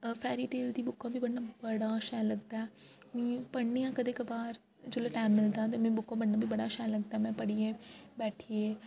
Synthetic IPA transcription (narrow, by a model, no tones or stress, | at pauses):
fɛːɾiʈeːld̪ibʊkːãbʱibɐɽnãbɐɽaʃɛːlɐɡt̪aɦɛ | ĩpɐɽnijãkɐd̪ekɐbaːɾ | d͡ʒoleʈaːmːɪlt̪ãt̪emẽbʊkːãbɐɽnãbʱibɐɽaʃɛːlɐɡt̪aɦɛmɛ̃pɐɽiẽbɛːʈʰiẽ